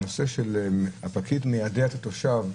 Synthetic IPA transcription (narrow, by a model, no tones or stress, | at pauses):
noseʃelhapakitmejadet̪at̪oʃav